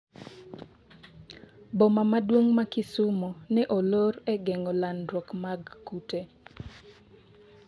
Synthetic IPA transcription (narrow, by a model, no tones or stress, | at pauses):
bomamadwoŋmakɪsʊmonɛʔoloɾɛɡɛŋɔlanɾwokmaɡkute